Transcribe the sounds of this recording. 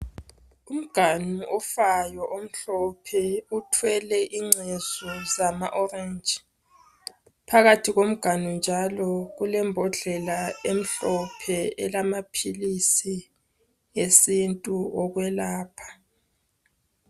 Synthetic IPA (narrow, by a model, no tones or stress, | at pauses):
um̩ɡ̥ʱanuʔɔfajɔʔom̩ɬɔpʰɛutʰwɛlɛʔiŋ͡ǀʱezɔzamaʔɔrɛnd͡ʒʱi | pʰaɣatʰiɣom̩ɡ̥ʱanund͡ʒʱalɔɣulɛmbʱɔɮɛlaem̩ɬɔpʰɛɛlamapʰilisi | esintʼuɔɣwɛlaːpʰḁ